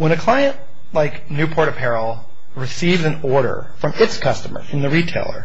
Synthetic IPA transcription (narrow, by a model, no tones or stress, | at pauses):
wə̃ñɨkʰl̥aɪɨ̃nʔ | laɪk | nʉpʰɔɹɾɨpʰɛɹl̩ˠ | ɹɨsivzɨ̃nɔɹɾə̰˞ | fɹʌ̃mɪtskʰʌstəmə̰˞ɨ̃nðɨɹitʰeɪlˠə̰˞